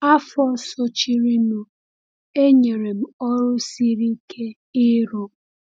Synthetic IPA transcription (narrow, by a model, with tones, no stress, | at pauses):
a˦fɔ˦so˦t͡ʃi˦ɾi˦no˨ | e˦ɲe˨ɾe˨m̩˨ɔ˦ɾʊ˦si˦ɾi˦kʰe˦ | ɪ˦ɾo˨